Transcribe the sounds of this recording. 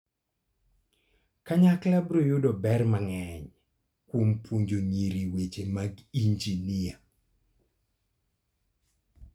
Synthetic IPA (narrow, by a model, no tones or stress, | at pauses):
kaɲaklabɾojʊdɔbɛrmaŋɛɲ | kwompwoɲd͡ʒoɲiɾiwet͡ʃemaɡiɲd͡ʒinia